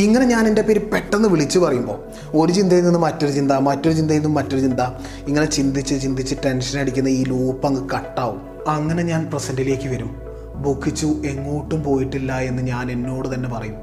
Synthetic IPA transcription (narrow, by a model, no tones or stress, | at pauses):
iŋːɐne̞ɲaːnende̞peːɾupe̞ʈːenːɨʋiɭit͡ɕːupɐrɐjumbo̞̰ː | oɾut͡ɕind̪ʱɐjininːɨmːɐtːoɾut͡ɕind̪amɐtːo̞ɾut͡ɕind̪ɐjinːumːɐtːo̞ɾut͡ɕind̪a | iŋːɐne̞t͡ɕind̪it͡ɕːut͡ɕind̪it͡ɕːɨʈe̞nʂɐneɽikʲːunːɐiːluːpːɐŋːɨkɐʈːaːʋum | ɐŋːɐne̞ɲaːnprɐsɐndile̞ːkʲːɨʋɐɾum | bukːit͡ɕːuʔe̞ŋːoːʈːumpo̞ːjiʈːilːɐe̞nːɨɲaːne̞nːo̞ːɽɨt̪ɐnːe̞pɐrɐjum